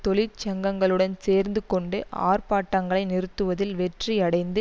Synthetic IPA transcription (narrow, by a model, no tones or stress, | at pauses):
t̪ɔlɪt͡ʃɐŋɡɐŋɡɐɭɯɽɐnseːɾnd̪ɯkɔɳɖɯʔa̰ːrpaːʈːɐŋɡɐɭɐɪnɪɾɯt̪ːɯʋɐðɪlʋɛʈriɐɽɐɪnd̪ɯ